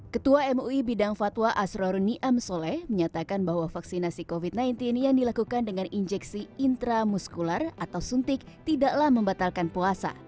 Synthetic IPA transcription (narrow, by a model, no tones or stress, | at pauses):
kət̪uaɛmuibidaŋfat̪waʔasɾɔɾniʔamsolɛhməɲat̪akanbaɦwafaksinasikofit̪̚najnt̪ɪnjaŋdilakukandəŋanʔiɲd͡ʒɛksiint̪ɾamuskularat̪awsunt̪ɪk̚t̪idaʔlahməmbat̪alkanpuasa̰